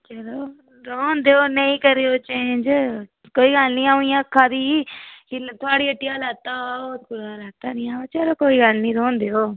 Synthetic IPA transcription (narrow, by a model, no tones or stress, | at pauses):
t͡ʃəɾoː | ɾoːnd̪eoːnəĩːkəɾeːoːt͡ʃẽːnd͡ʒ | koːiːɡəlnĩːaːuɪ̃jãːəkʰːãːd̪iːkɪt̪ʰʊaːɽiːəʈːijãːlaːt̪aːɔːt̪̚bʊɾaːlaːt̪aːnĩːãːoːt͡ʃəɾoːkoːiːɡəlnĩːɾõːnd̪eːoː